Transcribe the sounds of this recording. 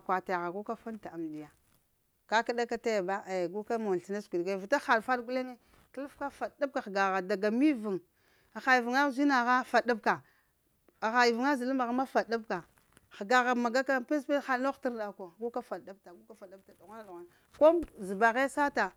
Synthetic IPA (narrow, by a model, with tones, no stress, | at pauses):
kʷa˨ta˨ja˨ɣa˨ɡu˦ka˦fa˦n˦ta˨a˨mdi˨ja˨ | ka˦ka˦da˦ka˦ta˦ja˨ba˦e˨ɡu˦ka˦ma˨i˨na˦skʷu˨ɡa˨vi˨ta˦xa˨dfa˦dɡu˦le˦ŋe˦ | klu˦fka˦fa˨da˦b̚ka˨xɡa˨ɣa˨da˨ɡa˨mi˦vu˨ŋ˨ | xa˨ji˨vu˨ŋa˦zi˦na˨ɣa˦fa˨da˦b̚ka˨ | xa˨ji˨vu˨ŋa˦zi˨lu˦ma˨ɣa˨˦ma˦fa˨da˦bka˨ | xɡa˨ɣa˨ma˨ɡa˦ka˦pe˦spe˦xa˦no˦xi˦ɾda˨ko˨ɡu˦ka˦fa˨da˦b̚ta˨ɡu˦ka˦fa˨da˦b̚ta˨da˨ɣa˦na˦dɣa˨n˨ | ko˦zi˨ba˨ɣe˦sa˦ta˨